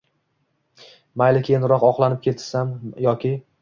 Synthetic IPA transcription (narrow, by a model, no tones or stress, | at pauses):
majlɪkʲʰenɾɒqɒqlˠanɪp̚kʲʰe̞t̪ʰsamjɒkʲɪ